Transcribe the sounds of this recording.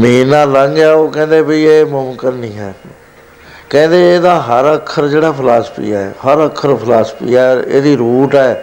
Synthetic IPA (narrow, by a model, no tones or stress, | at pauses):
məɦiːnaːləŋɡaːoːkɛ̃ːnd̪eːbəiːeːmʊmkənːĩːɦɛː | kɛ̃ːnd̪eːeːd̪aːɦəɾəkʰːəɾd͡ʒeːɽaːpʰlaːspʰḭːaːɛːhəɾəkʰːəɾpʰəlaːspḭːaḛːd̪iːɾuːʈɛː